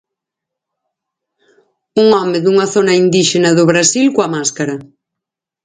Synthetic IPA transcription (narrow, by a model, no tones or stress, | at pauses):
uŋɔmeðuŋɐθonɐind̪iʃenaðʊβɾasilkwamaskaɾɐ